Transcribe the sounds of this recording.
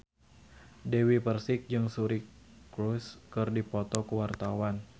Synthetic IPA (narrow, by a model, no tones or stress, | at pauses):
dewipərsɪk̚d͡ʒɨŋsuɾikɾuskɨrdipɔt̪ɔkuwart̪awan